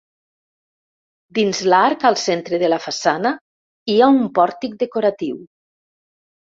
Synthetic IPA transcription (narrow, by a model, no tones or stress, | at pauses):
d̪inzlaɾkalˠsent̪ɾeðelafasana | iaumpɔɾt̪ik̚d̪ekoɾat̪iw